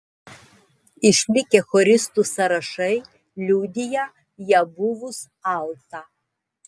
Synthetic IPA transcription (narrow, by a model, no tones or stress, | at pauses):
ɪʃʲlʲɪkʲɛxɔɾʲɪst̪usɐɾɐʃɐɪ | lʲuːd̪ʲɪjɛ | jɛbʊʋʊs | ɑˑlˠt̪ɑ